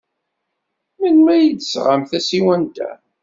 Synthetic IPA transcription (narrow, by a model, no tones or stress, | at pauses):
mənmæjəd̪sʁamθæsiwænt̪æ̰